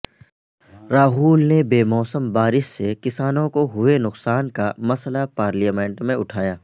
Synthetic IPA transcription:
ɾaːɦuːlnebeːmɔːsəmbaːɾɪʃsekɪsaːnõkoɦʊenʊqsaːnkamɐslapaːɾlijaːmẽːɳʈmẽʊʈʰaːjaː

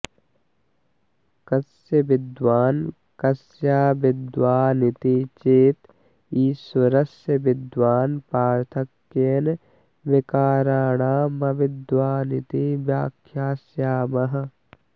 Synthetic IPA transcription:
kɐsjɐbɪd̪waːn | kɐsjaːbɪd̪waːnɪt̪it͡ʃeːt̪ | iːsɐɾɐsjɐbɪd̪ʋaːnpaːɾt̪ʰɐkːeːn | ʋɪkaːɾaːɽaːmɐʋɪd̪ʋaːnit̪ibjaːkʰjaːsjaːmɐɦɐ̆

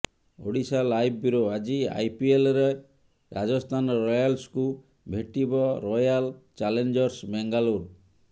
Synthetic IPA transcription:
o̰ɽisalajbʱbuɾoad͡ʒia̰jpielɔɾe | ɾad͡ʒɔst̪ʰanɔɾɔjalsku | bʱeʈibɔɾɔjalt͡ʃalend͡ʒɔɾsbɛŋɡaluɾ

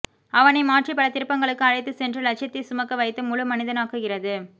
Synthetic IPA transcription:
ɐʋɐnɐɪmaːʈripːɐɽɐt̪ːɪɾɯpːɐŋɡɐɭɯkːɯɐɻɐɪt̪ːɯsɛndrɯlɐt͡ʃɐt̪ːisʊmɐkːɐʋɐɪt̪ːɯmʊɻɯmɐnɪðɐnaːɣɯɣɪrɐðɯ

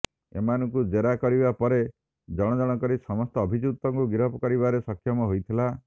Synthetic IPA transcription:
ḛmanɔŋkud͡ʒeɾakɔɾibapɔɾe | d͡ʒɔɽ̃ɔd͡ʒɔɽ̃ɔkɔɾisɔmɔst̪ɔːbʱid͡ʒut̪ɔŋkuɡiɾɦɔpɔkɔɾiβaɾesɔkʰːjɔmɔɦojt̪ʰila

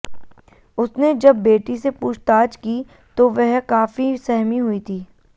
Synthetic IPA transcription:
ʊsned͡ʒɐbːeːʈisepuːʃt̪aːd͡ʒkiː | t̪oʋɛɦkaːfisɛɦmiɦʊit̪ʰiː

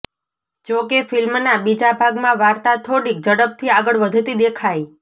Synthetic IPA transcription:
d͡ʒokefilmnabid͡ʒabʱaɡmãʋaɾt̪at̪ʰoɽik̚d͡ʒəɽəp̚t̪ʰiaɡəɭʋəd̪ʱt̪id̪ekʰaj

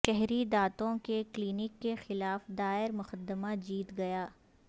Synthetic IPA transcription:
ʃɛɦɾid̪aːt̪õkekliːnɪkːexɪlaːfd̪aːɪɾmʊxəd̪ːəmad͡ʒiːt̪ɡɐjaː

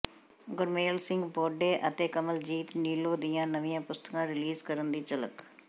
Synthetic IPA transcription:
ɡʊɾmeːlsɪ̃ŋɡbɔːɖeːʔət̪eːkəməld͡ʒiːt̪niːloːd̪ɪjãːnəʋɪ̃jãːpʊst̪əkãːɾɪliːzkəɾənd̪iːt͡ʃələ̰k

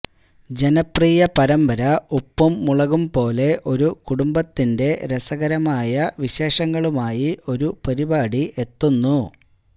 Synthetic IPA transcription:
d͡ʑe̞nɐpriːjɐpɐɾɐmbɐɾɐupːɐmːuɭɐɣumpo̞ːle̞ʔo̞ɾukuɽumbɐt̪ːinde̞ɾesɐɣɐɾɐmaːjɐʋiɕe̞ːʂɐŋːɐɭumaːjio̞ɾupɐɾibaːɽiʔe̞t̪ːunːu

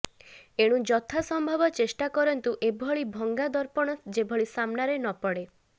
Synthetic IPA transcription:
eɽ̃ũd͡ʒɔt̪ʰasɔmbʱɔbɔt͡ʃesʈakɔɾɔnt̪uʔebʱɔɭibʱɔŋɡad̪ɔɾpɔɽ̃ɔd͡ʒebʱɔɭisamnaɾenɔpɔɽe

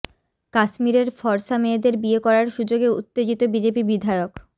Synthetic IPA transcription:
kaʃmiɾeɾfɔɾʃameːd̪eɾbiekɔɾaɾʃud͡ʑoɡeṵt̪ːed͡ʑit̪obid͡ʑepibid̪ʱaeok

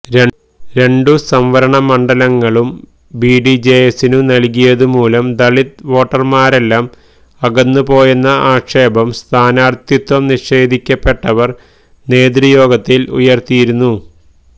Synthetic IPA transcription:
ɾe | ɾe̞ɳɖusɐmʋɐɾɐɳɐmɐɳɖɐlɐŋːɐɭum | biːɖid͡ʑejesinunɐlkijɐðumuːlɐmd̪ɐɭit̪ʋo̞ːʈːɐrmaːɾe̞lːaːm | ɐɡɐnːupo̞ːjunːɐʔaːkʂe̞ːbɐmst̪ʰaːnaːrt̪jut̪wɐmniʂe̞ːd̪ʱikʲːɐpːe̞ʈːɐʋɐr | ne̞ːd̪ɾijo̞ːɡɐt̪ːilṵjɐrt̪ijiɾunːu

